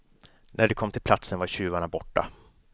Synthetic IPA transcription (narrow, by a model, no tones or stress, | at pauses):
nʔæɖɛkʰɔmːt̪ʰɪlplat̪sənvaɾɕʉ̟ːvaɳabɔʈːa̰